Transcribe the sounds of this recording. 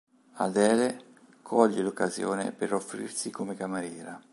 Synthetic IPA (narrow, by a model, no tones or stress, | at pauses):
a̰d̪ɛːle | kʰɔʎːelokːazjo̰ːnḛperofɾḭrsikomekamaɾiːɾa